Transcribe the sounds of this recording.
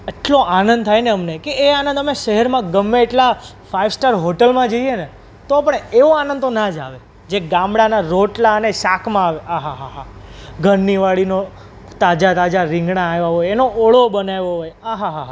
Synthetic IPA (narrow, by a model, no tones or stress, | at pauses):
əʈloʔanə̃nd̪̚t̪ʰajneəmnekeːanə̃nd̪əmeʃəɦɛɾmãɡəmːeeʈla | faiʋsʈaɾɦoʈəlmãd͡ʒəiene | t̪oapəɳeʋoanə̃nd̪t̪onad͡ʒa̰ʋe | d͡ʒeɡãmɽanaɾoʈlaəneʃakʰmãːʋeaɦaɦaɦaɡʱəɾniʋaɭino | t̪ad͡ʒat̪ad͡ʒaɾɪ̃ŋɡnaːjʋaɦojenoʔoɭobənajʋoɦojaɦaɦaɦa